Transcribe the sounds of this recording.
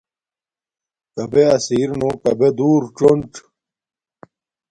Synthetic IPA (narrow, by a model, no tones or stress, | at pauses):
kɐbeɐsiːɾnokɐbed̪uːɾʈ͡ʂoɳʈ͡ʂ